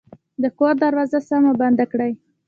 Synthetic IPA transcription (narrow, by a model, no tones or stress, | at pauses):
d̪əkoɾd̪aɾwɑzasamaband̪akɽaj